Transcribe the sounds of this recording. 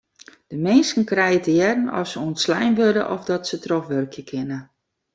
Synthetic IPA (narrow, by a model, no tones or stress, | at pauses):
d̥əmɪnskən̩krɛjətəjɛdənɔ̰fsəuənslɛjnʋødə̰ʔɔfdɔtsətrɔxʋørkʰjəkʰɪnə